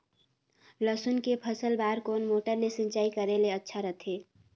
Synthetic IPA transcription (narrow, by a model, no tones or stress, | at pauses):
ləsʊnkepʰəsəlbaːɾkoːnmoːʈəɾlesɪ̃nt͡ʃaːikəɾeleətːʃʰaɾət̪ʰeː